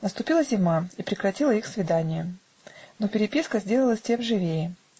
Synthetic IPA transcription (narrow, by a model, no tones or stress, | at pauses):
nəst̪ʊpʲilˠəzʲɪmaipɾʲɪkɾɐtʲilˠəixsvʲɪd̪anʲɪjə | nopʲɪɾʲɪpʲiskəzʲdʲe̞lˠəlˠəsʲtʲe̞mʐɨvʲejɪ